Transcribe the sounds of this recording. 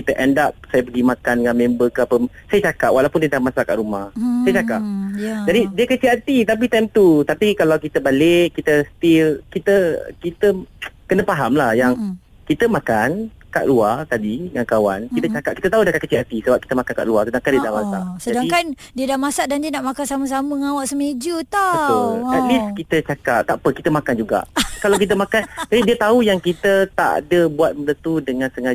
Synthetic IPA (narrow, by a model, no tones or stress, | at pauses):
kit̪əʔɛndap̚sajap̬əɡimãkandəŋanmẽmbəkəapə | sajat͡ʃakaʔ̚wʔalawpʊndiədamasaʔka̰ʔɾumahsajat͡ʃakap̚d͡ʒadidiəkət͡ʃiat̪it̪ap̬it̪ajmt̪ut̪apikalawkit̪əbaleʔkːit̪əst̪ilkit̪əkit̪əkənəpaɦamlahjaŋ | kit̪əmãkan | ka̰ʔluart̪adiəŋankawankit̪ət͡ʃakatʔ̚ki̥t̪ət̪aɦudakat̪̚kət͡ʃiat̪isəbap̚ki̥t̪əmakanka̰ʔluasədaŋkandiədamasa̰ʔsəadaŋikan | diədamasaʔdandiənaʔmakansaməs̬aməŋawaʔsəmed͡ʒut̪aaliskit̪ət͡ʃakat̚t̪apəkit̪əmakand͡ʒuɡa̰ʔkalawkit̪əmãkant̪apidiət̪aujaŋkit̪ət̪a̰dəbuwat̪̚mət̪ənt̪udəŋãnsəŋa